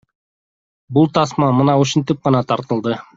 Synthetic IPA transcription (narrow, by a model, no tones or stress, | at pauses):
bulˠt̪ʰɑsmɑmɯnɑuʃunt̪ip̚qɑnɑt̪ʰɑɾt̪ɤ̆lˠd̪ɤ